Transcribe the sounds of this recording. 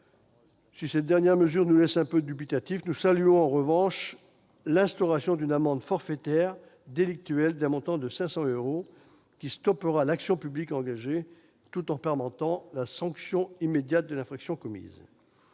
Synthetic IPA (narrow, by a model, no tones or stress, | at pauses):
sisɛt̪̚d̪ɛʁnjɛʁməzyʁnulɛsɛ̃pød̪ybit̪at̪ifnusalyɔ̃ɑ̃ʁəvɑ̃ʃ | lɛ̃st̪ɔʁasjɔ̃d̪ynamɑ̃d̪fɔʁfet̪ɛʁ | d̪elik̚t̪yɛld̪ɛ̃mɔ̃t̪ɑ̃d̪əsɛ̃sɑ̃øʁo | kʲist̪ɔpəʁalaksjɔ̃pyblikɑ̃ɡaʒe | t̪ut̪ɑ̃pɛʁmɑ̃t̪ɑ̃lasɑ̃ksjɔ̃imed̪jat̪̚d̪əlɛ̃fχaksjɔ̃kɔmḭz